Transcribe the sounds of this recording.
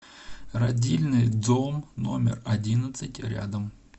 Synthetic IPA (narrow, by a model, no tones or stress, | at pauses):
rɐdʲilʲnɨjd̪zomno̞̰mʲɪ̰rɐdʲinət̪sɨtʲɾʲa̰d̪əm